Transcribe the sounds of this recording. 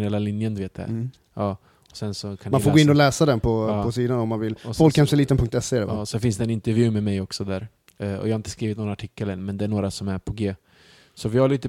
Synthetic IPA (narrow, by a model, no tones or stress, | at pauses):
nhɛːlalɪnjənd̪veːt̪d̪ɛæ̰ɾ | ɑː | ɔsɛnsɔkʰanmanfoɾɡoːɪnːɔlɛːsad̪ɛnpʰɔːɔsiːd̪anɔmːanvɪlɔsfɔlkkːhɛmsɛliːt̪ənpʰɵŋkt̪ɛsːɛɛɾɛ̰a̰ːsɛfɪnsd̪ɛnɪnt̪ɛɾvjʉ̟ːmɛmɛjɔksɔd̪æːɾ | ɔ̰jɑːhaɾɪnt̪ə̥skɾiːvɪt̪nɔnaʈʰɪkːələnmɛnd̪ɛːɳoːɾasɔmæɾpʰɔɡeː | sɔvɪhaɾɭiːt̪ə